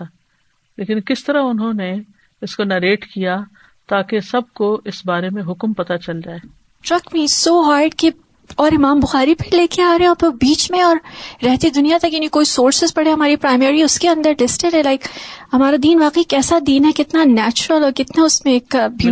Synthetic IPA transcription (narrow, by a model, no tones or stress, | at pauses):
a | leːkɪnkɪst̪ɐɾaʊnɦõne | ɪskonɐɾeːʈkija | t̪aːkesɐb̚koɪsbaːɾemẽɦʊkmpɐt̪at͡ʃɐld͡ʒaːeː | ʈɾɐkmiːsoːɦaːɾɖke | ɔːɾɪmaːmbʊxaːɾipɐɾleːkeaːɾɐẽɔːpɪbiːt͡ʃmẽɔːɾːɛɦt̪id̪ʊnijat̪ɐkjɐnɐɦĩkoːisoːɾsɪzpɐɽeɦɐmaːɾipɾaːɪmɛːɾiʊskeɐ̃nd̪əɾlɪsʈẽlɦɛ̃laɪkhɐmaːɾad̪iːnʋaːqeikɛːsad̪iːnɦɛkɪt̪nanɛːt͡ʃʊɾəlɔːɾkɪt̪naʊsmẽeːkbu